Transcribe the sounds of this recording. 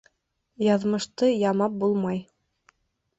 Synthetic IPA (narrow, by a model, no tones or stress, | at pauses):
jɑðmɤ̆ʃt̪ɤjɑmɑp̚bulˠmɑj